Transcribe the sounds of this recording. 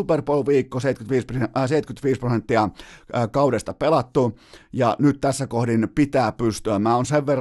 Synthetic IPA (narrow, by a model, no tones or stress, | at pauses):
uperpolʋiːkːoseˑit̪̚kyt̪ʋiːsprseit̪kyt̪ʋiːsprosent̪ːiɑkɑudest̪ɑpelɑt̪ːujɑnyt̪t̪æsːækohdinpit̪æːpyst̪yæmæːonseʋʋerː